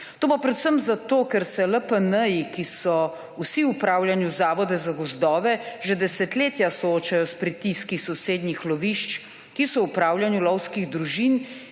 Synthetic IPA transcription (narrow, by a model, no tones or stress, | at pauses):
t̪oːpapɾɛt̪səmzat̪oːkɛɾsɛləpənəjikisɔ | usiupɾaːwljanjuzaːʋɔd̪ɛzaɡɔzd̪ɔːʋɛʒɛd̪ɛsɛt̪leːt̪jasɔoːt͡ʃajɔspɾit̪iskisɔseːd̪nixlɔʋiʃt͡ʃ | kisɔupɾaːwljanjulɔwskiɣd̪ɾuʒin